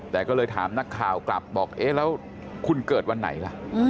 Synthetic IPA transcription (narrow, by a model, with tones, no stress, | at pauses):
t̪ɛː˨˩kɔː˥˩lɤː˧jt̪ʰaː˩˦mna˦˥kʰːaː˨˩wkla̰˨˩p̚bɔː˨˩k̚ʔeː˦˥lɛː˦˥w | kʰu˧nkɤː˨˩t̪̚wa˧nːa̰˩˦jla̰˧˩ʔʔː